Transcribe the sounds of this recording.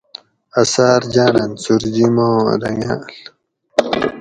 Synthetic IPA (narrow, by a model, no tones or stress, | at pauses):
ɐsaːɾd͡ʑaːnɐnsuɾd͡ʑimoːɾɐŋa̰ːl